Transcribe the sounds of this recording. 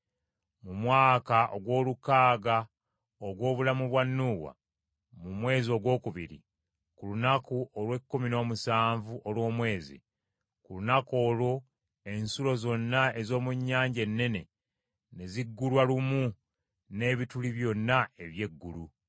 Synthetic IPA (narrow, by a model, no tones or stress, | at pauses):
mumwaːkaʔo̰ɡwo̞ːlukaːɡa | oɡwo̞ːβulamuβwanːuːwa̰ | mumwe̞ːzio̞ɡwo̞ːkuβiɾḭ | kulunakuʔolwe̞kːumino̞ːmusaːɱvuʔolwo̞ːmwe̞ːzḭ | kulunako̞ːlwo̞ | e̞nsulo̞zo̞nːae̞zo̞ːmuɲːaːɲɟe̞nːe̞ne̞ | ne̞ziɡːulwalumu | ne̞ːβituliβjo̞nːae̞βje̞ɡːulu